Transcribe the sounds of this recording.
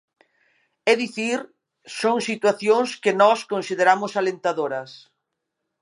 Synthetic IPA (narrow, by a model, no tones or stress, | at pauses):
ɛðiθiɾ | soŋsit̪waθjoŋskɪnɔskonsiðeɾamʊsalent̪aðoɾɐs